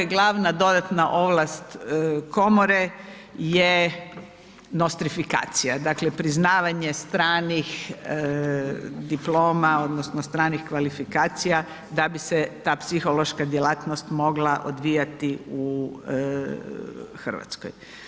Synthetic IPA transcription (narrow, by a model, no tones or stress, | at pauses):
ɡlˠaʋnad̪o̞d̪at̪naʔo̞ʋlast̪ko̞moɾe | je | nost̪ɾifika̰ːt̪sijad̪akle̞pɾiznaːʋaɲest̪ɾaːnix | d̪iploːmao̞d̪nosnost̪ɾaːnixkʋalifikaːt̪sija | d̪abiset̪aːpsixo̞lo̞ʃkad̪jelaːt̪nost̪mo̞ɡlaʔo̰d̪ʋiːjat̪iu | xr̩ʋa̰t̪sko̰j